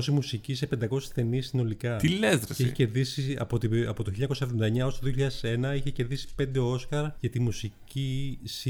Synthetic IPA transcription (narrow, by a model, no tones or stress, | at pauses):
osimusicisepe̞nd̪ɐko̞si̥sθe̞nisino̞likɐt̪ilezɾɐeçeeceɾðisiɐ̰pot̪iɐpo̞t̪oçilːɲɐkosɐevðond̪ɐeɲɐost̪oðioçiʎɐðese̞nɐiçeceɾðisi̥pe̞nd̪e̞o̞skɐɾʝɐt̪imusicis